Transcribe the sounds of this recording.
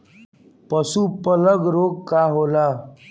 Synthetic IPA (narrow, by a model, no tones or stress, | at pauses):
pəsupələɡɾoɡ̚kaɦola